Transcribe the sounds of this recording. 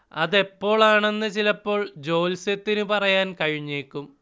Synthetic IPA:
ɐ̰ðe̞pːo̞ːɭaːɳe̞nːɨt͡ɕilɐpːo̞ːɭd͡ʑo̞ːlset̪ːinɨpɐrɐjaːnkɐɻiɲːeːkːum

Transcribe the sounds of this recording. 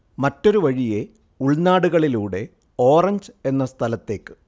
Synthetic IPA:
mɐtːo̞ɾuʋɐɻije̞ | uɭnaːɽuɣɐɭiluːɽe̞ | o̞ːrɐɲd͡ʑe̞nːɐst̪ʰɐlɐt̪ːe̞ːkːɨ̥

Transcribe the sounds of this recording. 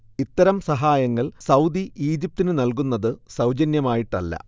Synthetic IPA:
it̪ːɐɾɐmsɐɦaːjɐŋːɐɭsɐwd̪iʔiːd͡ʑip̚t̪inɨnɐlkunːɐðɨsɐwd͡ʑɐnjɐmaːjiʈːɐ̰lːɐ̰

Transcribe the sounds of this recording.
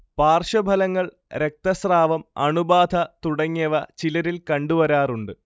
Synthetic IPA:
paːrʂɐbʱɐlɐŋːɐɭ | ɾe̞k̚t̪ɐsraːʋɐmɐɳubaːd̪ʱɐt̪uɽɐŋːɐʋɐt͡ɕilɐɾilkɐɳɖuʋɐɾaːruɳɖɨ

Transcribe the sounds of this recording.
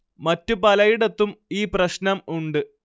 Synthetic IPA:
mɐtːupɐlɐjiɽɐt̪ːumiːprɐɕnɐmuɳɖɨ

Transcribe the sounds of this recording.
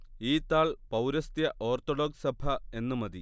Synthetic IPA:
iːt̪aːɭpɐwɾɐst̪jɐʔo̞ːrt̪oɽo̞ːɡsɐbʱɐe̞nːumɐði

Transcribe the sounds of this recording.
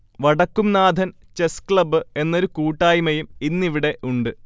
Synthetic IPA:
ʋɐɽɐkːumnaːd̪ʱɐn | t͡ɕe̞skɭɐbɨe̞nːo̞ɾukuːʈːaːjmɐjuminːiʋiɽe̞ʔuɳɖɨ

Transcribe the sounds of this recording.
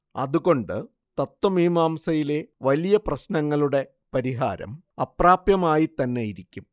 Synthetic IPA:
ɐ̰ðuɣo̞ɳɖɨ | t̪ɐt̪ːwɐmiːmaːmsɐjile̞ʋɐlijɐprɐɕnɐŋːɐɭuɽe̞ | pɐɾiɦa̰ːɾɐ̰m | ɐpraːpjɐmaːjit̪ɐnːe̞jiɾikʲːum

